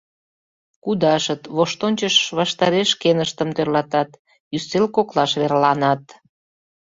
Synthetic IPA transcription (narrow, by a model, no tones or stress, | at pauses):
kud̪ɑʃət̪βoʃt̪onʲt͡ɕəʃβɑʃt̪ɑɾeʃkenəʃt̪əmt̪ørlɑt̪ɑt̪ | jyselkoklɑʃβeɾlɑnɑt̪